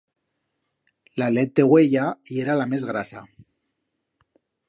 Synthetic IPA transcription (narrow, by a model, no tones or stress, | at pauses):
lalet̪̚d̪eɣweʎaieɾalamezɣɾasa̰